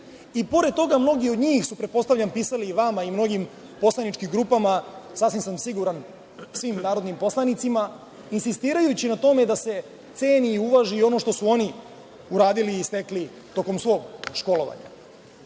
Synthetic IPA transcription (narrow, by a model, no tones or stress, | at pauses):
ipo̞ɾed̪̚t̪ːo̞ɡamno̞ɡio̞d̪ɲiːxsupɾet̪̚po̞st̪aʋʎampiːsaliʋamaimno̞ɡim | po̞slˠanit͡ʃkimɡɾuːpamasasʋimsamsiɡuɾan | sʋiːmnaːɾod̪nimpo̞slanit̪sima | insist̪iːɾajut͡ɕinat̪o̞me̞d̪ase̞ | t̪se̞ːniːuʋaʒiːo̞no̞ʃt̪osuo̞ni | uɾaːd̪iliːst̪e̞kli | t̪o̞ko̞msʋo̞ːɡʃko̞lo̞ʋa̰ɲa̰